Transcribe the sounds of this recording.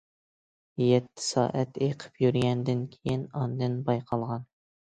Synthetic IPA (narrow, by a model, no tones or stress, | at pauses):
jɛt̪ʰːɪ̥sɑ̰ːʔæt̪eqʰə̥pjyɾɡʲɛnd̪ɪnkʲʰejinɑnd̪ɨnbɑjqʰɑlˠʁɑn